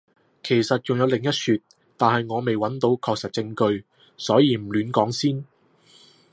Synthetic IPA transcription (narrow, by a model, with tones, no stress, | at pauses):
kʰe˨˩jsɐ˨t̚t͡ʃʊ˨ŋjɐ˨˧wlɪ˨ŋjɐ˥t̚syː˧t̚ | t̪aː˨nhɐ˨jŋɔː˨˧me˨jwɐ˨˥nt̪o˨˧wkʰɔː˧k̚sɐ˨t̚t͡sɪ˧ŋkɵ˧ɥ | sɔː˨˥jiː˨˧m̩˨˩lyː˨˥nkɔː˨˥ŋsiː˥n